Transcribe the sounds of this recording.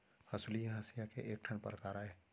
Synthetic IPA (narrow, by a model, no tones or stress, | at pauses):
hɐsulijaɦɐsijakḛʔeːk̚ʈʰənpə̰ɾkaːɾaɦɛː